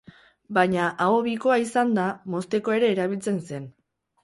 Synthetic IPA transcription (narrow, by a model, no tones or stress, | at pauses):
baɲaʔaoβiko̞aisand̪amo̞st̪e̞ko̞e̞ɾe̞ːɾaβilt͡se̞nse̞n